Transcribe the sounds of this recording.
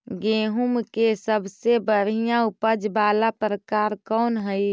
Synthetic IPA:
ɡẽːɦumkesəbʱsebəɽ̤ijãupəd͡ʒbaːlapɾəkaːɾkɔːnɦəj

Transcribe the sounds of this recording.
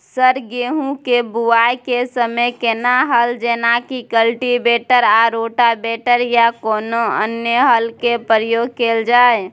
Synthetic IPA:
səɾɡeɦũkebuajkesəməjkenaɦəld͡ʒenakikəlʈibeʈəɾaɾoʈabeʈəɾjakonoə̰njəɦəlkepəɾjoɡ̚keld͡ʒae

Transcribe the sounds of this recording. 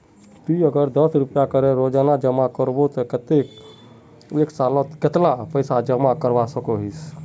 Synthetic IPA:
t̪iəɡəɾd̪əsɾupjakəɾeɾod͡ʒanad͡ʒəmakəɾbot̪ɔkət̪ek | eksalɔt̪ket̪lapəɪsad͡ʒəmakəɾbasəkoɦis

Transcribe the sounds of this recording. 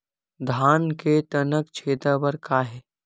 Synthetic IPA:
d̪ʱaːnket̪ənəkt͡ʃʰeːt̪abəɾkʰaːɦɛː

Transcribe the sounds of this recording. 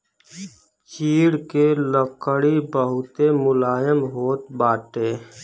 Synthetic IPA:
t͡ʃiːɽkeləkəɽibəɦʊt̪emʊlaːjəmɦoːt̪baːʈeː

